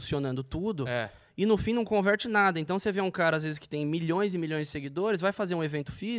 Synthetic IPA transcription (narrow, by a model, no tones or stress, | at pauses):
sionɐ̃nd̪ʊt̪ud̪ʊɛ | ɪnʊfĩnɐ̃w̃kõvɛɾt͡ʃɪnad̪ɐẽnt̪ɐ̃w̃seveũkaɾɐazvezɪskɪ̥t̪ẽj̃miʎõj̃zɪmiʎõj̃zd͡ʒɪseɡid̪oɾɪzvajfazeɾũevẽnt̪ʊ̥fiz